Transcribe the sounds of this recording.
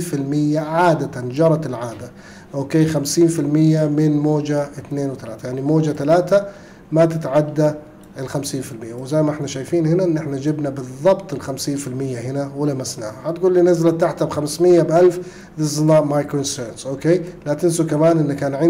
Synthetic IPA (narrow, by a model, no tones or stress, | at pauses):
fɪlmɪjːaʕaːd̪at̪and͡ʒɑɾˤɑt̪ɪlʕaːd̪a | ʔoːkeːxamsiːnfɪlmɪjːamɪnmoːd͡ʒaɪt̪neːnwɪt̪alaːt̪ajaʕnimoːd͡ʒat̪alaːt̪a | mat̪ɪt̪ʕad̪ːa | ɪlxamsiːnfɪlmɪjːawɪzajmaʔɪħnaʃaːjfiːnhɪnaʔɪnːʔɪħnad͡ʒɪbnabɨðˤːɑbt̪ˤɪlxamsiːnfɪlmɪjːaɦɪnawɪlamasna̰ːhahat̪ɡuːlːiːnazlat̪ːaħt̪abxamsmɪjːabʔalf | ðɪznaʔmajkɾoʔɪnst̪eːɾsʔoːkeːlat̪ɪnsukamaːnʔɪnːakaːnʕɪ